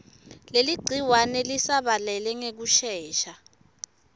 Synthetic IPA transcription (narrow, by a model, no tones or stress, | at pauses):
leliɡ͡ǀʱiwanɛlisaɓalɛlɛŋek̬uʃɛːʃa